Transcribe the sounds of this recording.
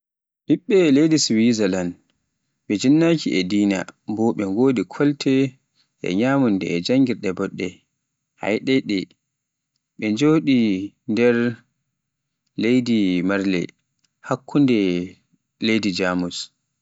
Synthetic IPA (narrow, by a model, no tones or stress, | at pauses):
ɗiɓːɛlejdiswizalan | ɓɛd͡ʒinːakiʔɛdiːna̰bɔɓɛŋɡoːdikʰɔltʰɛ | ʔɛ̰ɲaːmundɛ̰ɛd͡ʒaŋɡiɾɗɛbɔɗːɛ | ha̰jɗɛɗɛ | ɓɛd͡ʒoːɗi | ndɛɾ | lejdimaɾlɛ̰ | hakːundɛ | lejdid͡ʒaːmus